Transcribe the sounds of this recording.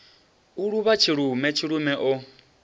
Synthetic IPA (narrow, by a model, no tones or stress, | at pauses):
uɺuβat͡ʃʰiɺumɛt͡ʃʰiɺumɛʔɔ